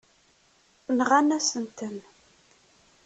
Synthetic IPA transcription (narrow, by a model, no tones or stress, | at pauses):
θənʁænæsənt̪ən